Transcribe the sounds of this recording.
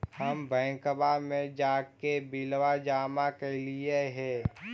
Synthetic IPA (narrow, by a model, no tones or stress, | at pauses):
həmbʱə̃ːkəbamẽd͡ʒaːkebɪlwad͡ʒaːmakelieɦɛ̃ː